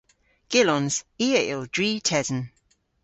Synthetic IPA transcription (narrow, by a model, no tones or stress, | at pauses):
ɡ̥ɪlɔ̃nz̥iːəɪlˠdɹiːtʰɛzə̃n